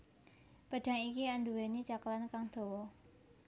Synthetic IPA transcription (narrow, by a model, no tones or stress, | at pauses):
pəʈ͡ʂaŋikiʔand̪uwenit͡ɕakəlankaŋt̪ʰowo